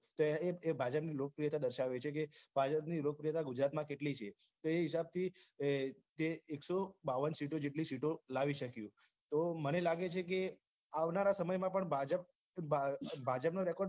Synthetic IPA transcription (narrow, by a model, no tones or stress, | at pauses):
t̪oeebʱad͡ʒəpnilokəpɾijət̪ad̪əɾʃaʋet͡ʃʰekebʱad͡ʒəpnilok̚əpɾijət̪aɡud͡ʒɾat̪mãkeʈlit͡ʃʰe | t̪oeɦisab̚t̪ʰi | t̪eeksobaʋənsiʈod͡ʒeʈlisiʈolaʋiʃəkjũ | t̪omənelaɡet͡ʃʰek̬e | aʋnaɾasəməjmãpəɳbʱad͡ʒəp̚ | bʱad͡ʒəpnoɾɛkɔɖ